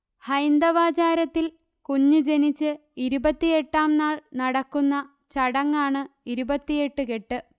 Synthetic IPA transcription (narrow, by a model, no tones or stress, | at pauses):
hɐjnd̪ɐʋaːt͡ɕaːɾɐt̪ːil | kuɲːud͡ʑe̞nit͡ɕːɨ | iɾubɐt̪ːije̞ʈːaːmnaːɭnɐɽɐkːunːɐ | t͡ɕɐɽɐŋːaːɳɨiɾubɐt̪ːije̞ʈːɨke̞ʈːɨ